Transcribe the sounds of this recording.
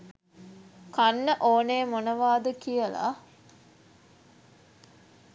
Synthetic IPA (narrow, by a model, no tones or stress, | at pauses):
kanːəʔoːneːmonəʋaːd̪əkijəla̰